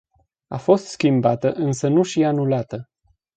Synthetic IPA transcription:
afo̞st̪skʲimbat̪əʔɨnsənuʃianulat̪ə

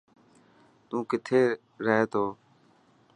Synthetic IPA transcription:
t̪ũːkɪt̪ʰeː | ɾəɦeːt̪ʰoː

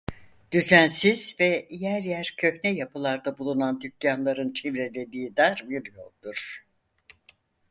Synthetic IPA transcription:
d̪̥yzænsiz̥vɛjæɾjæɾcʰø̞çnɛjapɯlˠaɾd̪abulˠunand̪ycjanlˠaɾɯnt͡ʃʰivɾelʲe̞d̪iːd̪aɾbiɾjok̚d̪uɾ̥

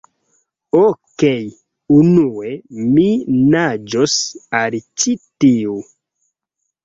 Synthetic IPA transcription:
okej | unueminad͡ʒosalt͡ʃitiu

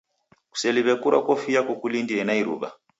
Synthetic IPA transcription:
ku̥sɛliβɛkuɾa̰kɔfijakɔkulindiɛnaiɾṵβa̰

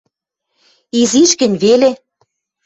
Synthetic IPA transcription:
iziʃkɘ̆nʲβele

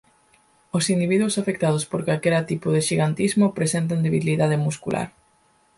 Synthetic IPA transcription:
osind̪iβiðwosafek̚t̪aðospoɾkalkeɾat̪ipoðeʃiɣant̪izmopɾesent̪̬and̪eβiliðað̞emuskulʔa̰ɾ

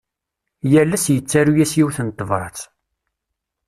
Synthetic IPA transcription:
jælːæsjət͡sːaɾujæsjiwθənət̪ˤːvəɾθ

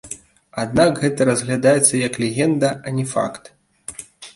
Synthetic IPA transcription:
ad̪nakɣɛt̪ɐɾɐzʲɣlʲad̪ajɛt̪sːɐjɐklʲɛɣʲɛnd̪ɐɐnʲɛfa̰kt̪

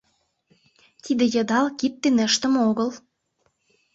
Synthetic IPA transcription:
t̪id̪ĕjɤ̆d̪ɑlkip̚t̪ːenə̆ʃt̪ə̆moɣəl

